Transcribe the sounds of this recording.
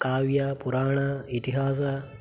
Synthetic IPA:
kaːʋjapuɾaːɳ̃ait̪iɦaːs̬ɐ

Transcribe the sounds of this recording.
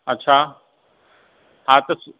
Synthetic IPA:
ɐtːɕʰaː | ɦãːt̪ɐs

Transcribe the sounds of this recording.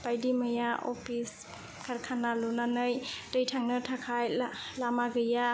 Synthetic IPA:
pajdiməjaʔɔpʰis | kʰaɾkʰanalunanɯjd̥əjtʰaŋnɯtʰakʰajlamaɡɯja

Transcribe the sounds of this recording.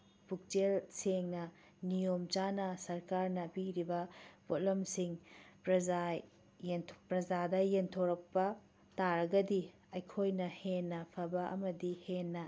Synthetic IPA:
puk̚t͡ʃelseŋnɐ | nijomt͡ʃanɐsɐɾkaɾnɐpiɾibɐbot̚lɐmsiŋpɾɐza | enʰpɾɐd͡ʒadɐjentʰoɾɐk̚pɐ | taɾɐɡɐdi | ɐjkʰojnɐhenːɐpʰɐbɐʔɐ̰mɐdihenːɐ

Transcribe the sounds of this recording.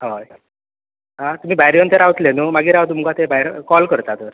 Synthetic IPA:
ɦaj | ɦãt̪um̤iːbʱajɾijənt̪eɾaʋt̪lenomaɡiːɾaʋt̪um̤ukat̪ebajɾkɔlkəɾt̪at̪əɾ

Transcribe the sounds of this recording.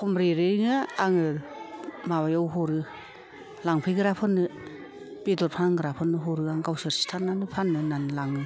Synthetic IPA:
kʰɔmɾeɾɯŋɯaŋɯ | maβajawɦɔɾɯ | laŋpʰɯjɡɯɾapʰɯnːɯ | b̥edɔɾpʰanŋɡɯɾapʰɯnːɯɦɔɾɯaŋɡawsɯɾsi̥tʰanːanɯpʰanːɯnanɯlaŋɯ

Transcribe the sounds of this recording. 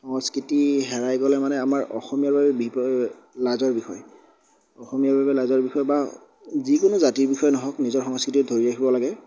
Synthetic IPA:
xɔŋskɹitiɦɛɹajɡɔlɛmanɛamaɹʔɔ̰xɔmijaɹbabɛbibɔ | lazɔɹbixɔj | ɔxɔmijaɹbabɛlazɔɹbixɔjba | zikʊnʊzatiɹbixɔjɔnɔɦɔknizɔɹxɔŋskɹitidʱoɹiɹakʰibɔlaɡɛ

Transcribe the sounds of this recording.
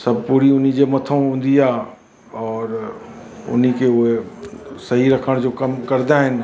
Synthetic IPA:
sɐbʱpuːɾiʊn̤id͡ʑeːmɐt̪ʰõɦũːn̆d̪iaː | ɔːɾ | ʊ̰n̤ikʰeːʊɦesɐɦiɾɐkʰəɽ̃d͡ʑoːkɐmkɐɾɪd̪aːɦɪnɪ̆

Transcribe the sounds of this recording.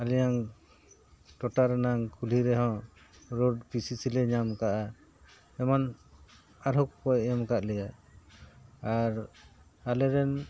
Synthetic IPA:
aɾɛjaŋ | ʈɔʈaɾɛnaŋkuliɾɛɦɔ̃ | ɾoɖpisisilɛɲamkaʔa | ɛman | aɾɦɔkpɔjɛmkaʔlɛja | aɾ | alɛɾɛn

